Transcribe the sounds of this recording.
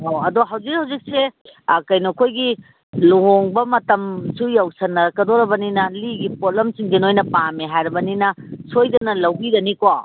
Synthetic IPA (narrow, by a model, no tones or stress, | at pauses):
hoɐdoɦɐwzikhɐwzik̚sekɐjnokʰojɡi | luɦoŋbɐmɐtɐmsujɐwsɐnːɐɾɐkɐdoɾɐbɐninɐliɡipolɐmt͡ʃiŋd͡ʒenojnɐpamiɦajɾɐbɐninɐsojdɐnɐlɐwɡidɐniko